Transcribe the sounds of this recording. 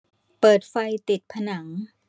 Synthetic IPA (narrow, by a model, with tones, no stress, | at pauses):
pɤː˨˩t̪̚fa˧jt̪i˨˩t̪̚pʰa˧na˩˦ŋ